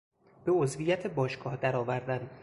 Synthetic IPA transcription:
b̥eozvijæt̪ʰebɒːʃɡ̥ɒːhd̪æɾɒːvæɾd̪ænd̪

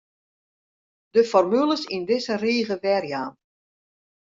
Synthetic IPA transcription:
dəfɔrmylˠəsindɪsəriːɣəʋɛrjaːn

